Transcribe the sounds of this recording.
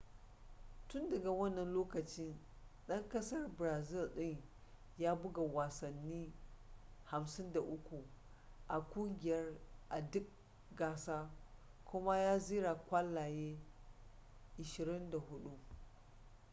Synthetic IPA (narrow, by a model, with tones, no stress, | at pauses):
tʊ˦ndɐ˨ɡa˨wɐ˦nːɐ˨nloː˦kɐ˨t͡ʃɪ˦n | ɗɐ˦ŋkɐ˦sɐ˦rbɾaː˨zɪ˦˨lɗɪ˦ŋ | jaː˦bʊ˦ɡa˨waː˨sɐ˨nːiː˦ | ha˨msɪ˦nda˨ʔʊ˦kʷu˨ | ʔa˨kʷʼʊ˦ŋɡʲɪ˨jɐ˦rʔa˨dʊ˦k̚ | ɡaː˦˨saː˦kʷʊ˦ma˦jaː˦ziː˦ɾa˨kʷa˦lːaː˨jeː˦ | ʔɪ˨ʃɪ˨ɾɪ˦nda˨ɦʊ˦ɗu˦